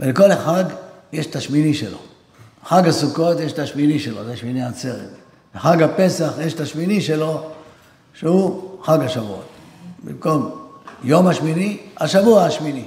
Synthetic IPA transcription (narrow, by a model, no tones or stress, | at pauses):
veleko̞leχaɡjeʃt̪aʃminiʃḛlo̞̰ | xaɡhasuko̞t̪jeʃet̪aʃminiʃelo̞zeaʃminiat͡seʁet | leχaɡhape̞saχjeʃt̪aʃminiʃe̞lo̞ | ʃehuxaɡaʃavṵo̰t̪ | bḭmko̞mjomhaʃminiaʃavuaaʃmini